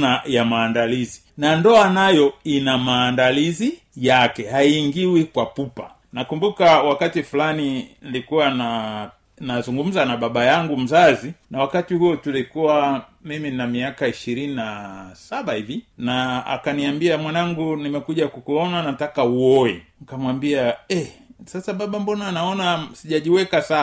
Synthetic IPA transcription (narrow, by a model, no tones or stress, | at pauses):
najamaːndalizi | nandɔanajɔinamaːndalizi | jakɛhaiiːŋɡiwikwapupa | nakumbukawakatifulaninilikuwana | nazuŋɡum̩zanaɓaɓajaŋɡum̩zazinawakatihuɔtulikuwamiminamiakaiʃiɾininasaɓahivinaa̰kaniambiamwanaŋɡunimɛkuʄakukuɔnanatakauɔɛkamwambiaɛsasaɓaɓambɔnaːnaɔnasiʄaʄiwɛkasa